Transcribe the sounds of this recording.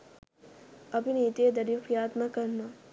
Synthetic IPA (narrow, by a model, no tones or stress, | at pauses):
ɐbiniːt̪ed̪ɐɾjukijaːt̪makɐɾnaː